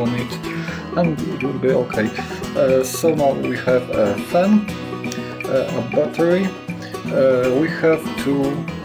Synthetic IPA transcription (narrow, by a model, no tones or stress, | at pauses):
ɔ̃nɪt | ə̃nɪtwɪlbiokʰeɪ | soʊnaʊwihɨvəfæ̃n | əbatəɹi | wihæv̥tʰu